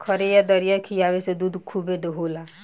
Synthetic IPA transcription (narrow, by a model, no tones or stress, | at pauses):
kʰəɾejad̪əɾijakʰijaʋesed̪ud̪ʱkʰubed̪oɦoːla